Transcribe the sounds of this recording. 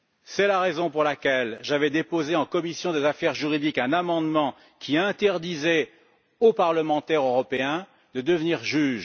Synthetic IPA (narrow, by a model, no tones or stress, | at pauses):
sɛlaʁezɔ̃puʁlakʲɛlʒavɛd̪epozeɑ̃kɔmisjɔ̃d̪ezafɛʁʒyʁid̪ikɛ̃namɑ̃d̪mɑ̃ | kʲʰiɛ̃t̪ɛʁd̪izɛ | opaʁləmɑ̃t̪ɛʁøʁɔpeɛ̃ | d̪əd̪əvniʁʒyːʒ